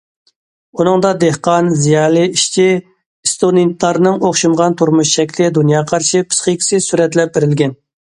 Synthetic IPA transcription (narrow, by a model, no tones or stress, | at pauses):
unɨŋd̪ɑd̪ehqɑnzijɑːlˠɨiʃt͡ʃʰi | st̪onit̪lˠɑɾnɨŋoχʃumʁɑnt̪ʰuɾmuʃʃɛkʲlɪd̪unjɑːqʰɑɾʃipʰɨ̥sχəkʲʰi̥sɪsyɾɛt̪lɛp̚beɾɪlɡʲɛn